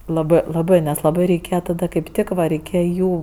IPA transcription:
lˠɐˈbɜ lˠɐˈbɜ nʲɛs lˠɐˈbɐɪ rʲɛɪˈkʲeːjɛ tɐˈdɐ kɐɪp ˈtʲɪk ʋɐ rʲɛɪˈkʲeːjɛ ˈjuː

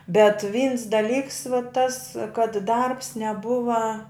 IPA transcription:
bʲɛt ʋʲiːns dɐˈlʲiːks ʋɐ tɐs kɐt dɐrps nʲɛˈbʊʋɐ

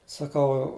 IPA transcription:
sɐˈkɐʊ

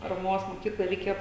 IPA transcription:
pɐrɐˈmoːs moːˈkʲiːklˠoːj rʲɛɪˈkʲeːjoː

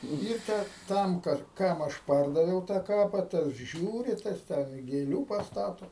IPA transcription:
ɪr ˈtʲæː ˈtɐm ˈkɐt ˈkɐm ɐʃ ˈpɐrdɐʋʲɛʊ tɑː ˈkɑːpɐ tɐs ˈʒʲuːrʲɪ ˈtɐs tʲɛn ɪ ɡʲeːˈlʲuː pɐsˈtɑːtoː

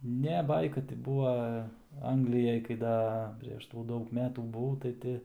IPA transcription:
ˈnʲɛ ˈbɐɪkɐ tʲɪ ˈbuːʋɐ ˈɐŋɡlʲɪjɛj kɐɪ ˈdɐ ˌpʲrʲeːʃ tuː ˈdɐʊk ˈmʲæːtuː bʊˈʋɐʊ tɐɪ ˈtʲɪ

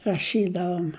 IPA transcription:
rɐˈʃʲiːdɐʋoːm

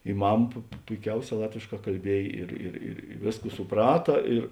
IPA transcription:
ɪ ˈmɐm pʊ pʊ pʊɪˈkʲɛʊˌsʲɛː ˈlˠɑːtʲʋʲeːʃˌkɑː kɐlʲˈbʲiɛj ˈɪr ɪr ɪr ˈʋʲeːsˌkuː sʊˈprɑːtɐ ɪr

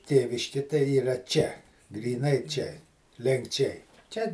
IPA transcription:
ˈtʲeːʋʲɪʃʲkʲɪ tɐɪ iːˈrɐ ˈt͡ʃʲɛ ɡrʲiːˈnɐɪ t͡ʃʲɛ lʲɛŋkˈt͡ʃʲɛɪ ˈt͡ʃʲɛ

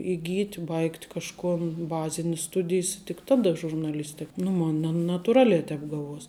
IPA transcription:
iːˈɡʲiːtʲ ˈbɐɪktʲ kɐʃˈkoːn ˈbɑːzʲɪnʲɪs ˈstʊdʲɪjs tʲɪk ˈtɑːˌdɐ ʒʊrnɐˈlʲɪsʲtʲɪk nʊ ˈmoːnʲ nɐ nɐtʊˈrɑːlʲæː ˈtʲɛːp ˈɡɑːˌʋuɔsʲ

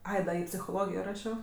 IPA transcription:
ˈɐɪ dɐ ɪ pʲsʲɪxoːˈlˠoːɡʲɪjoː ˈrɑːʃʲoː

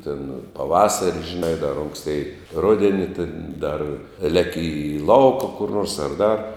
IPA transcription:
tʲɪn pɐˈʋɑːsɐrʲɪ ʒʲɪˈnɐɪ dɐr ˈoːŋksʲtʲeːɪ ˈrʊdʲɛnʲɪ tʲɪn dɐr ˈlʲæːkʲɪ ɪ ˈlˠɐʊkɐ kʊr noːrs ɐr ˈdɐr

